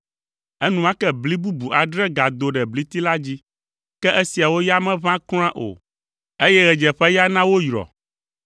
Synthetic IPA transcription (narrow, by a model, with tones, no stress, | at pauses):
ɛ˦nũ˨ã˦kɛ˦bli˦bu˦bu˨ʔa˨ɖɾɛ˦ɡa˨d̪o˨ɖɛ˨bli˦t̪i˦la˦d͡ʑi˦ | kɛ˦ʔe˦si˨a˨wo˦ja˦mɛ̃˦βã˦klɔ̃˦ã˦ʔo̰˨ | e˦jɛ˦ɣɛ˨d͡ʒɛ˨ɸɛ˦ja˦nã˦wo˦jɾɔ̰˨